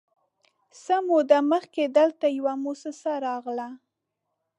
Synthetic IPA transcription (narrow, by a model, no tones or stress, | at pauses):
samod̪aməxked̪əlt̪ajawamosəsaɾɑɣla